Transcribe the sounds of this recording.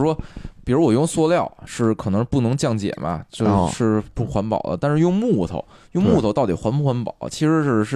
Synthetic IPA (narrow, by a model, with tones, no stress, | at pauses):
ʂwɔ˥pi˨˩ɻu˧˥wɔ˨˩˧swɔ˥ljɑ˥˩ʊʂɻ̩˥˩kʰɤ˨˩nɤ˧˥ŋʂ̩˧pu˥˩nɤ˧˥ŋt͡ɕjɑ˥˩ŋt͡ɕjɛ̰˨˩mɐ̰˦t͡ɕjo˥˧ʊʂɻ̩˥˧pu˥˩xwa˧˥npɑ̰˨˩ʊlə̰˦t̪a˥˧nʂɻ̩˥˧jʊ˥˧ŋmu˥˩t̪ʰo̰˧˥ʊ | jʊ˥˧ŋmu˥˩t̪ʰʊt̪ɑ˥˩ʊt̪i˨˩xwa˧˥npu˥˩xwa˧˥npɑ̰˨˩ʊlə̰˦t͡ɕʰi˧˥ʂɻ̩˧˥ʂɻ̩˥˧ɻ̩˥˩